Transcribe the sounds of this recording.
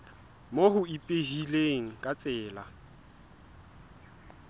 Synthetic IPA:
moɦʊipʼeɦileŋ̩kʼat͡sʼɛːla

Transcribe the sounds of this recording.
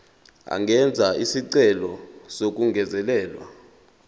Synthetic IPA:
a̰ŋɛnd͡zʱaisiǀɛlɔsok̬ʼuŋɡʱɛzɛlɛːlwa̰

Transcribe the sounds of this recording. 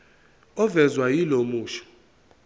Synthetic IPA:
ɔvɛzwajilomuːʃɔ̥

